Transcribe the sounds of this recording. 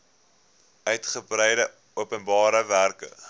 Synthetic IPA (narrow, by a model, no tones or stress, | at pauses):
œɥtχəbrɛjdə | uəpənbɑːɾəværkə̰